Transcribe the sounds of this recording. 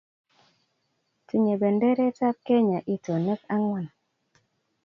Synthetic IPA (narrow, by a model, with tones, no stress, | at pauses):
ti˨ɲe˨be˨nde˦ɾe˦ta˦p̚ke˦ɲa˨ʔi˦to˨nə˦k̚a˦ŋwa˦˨n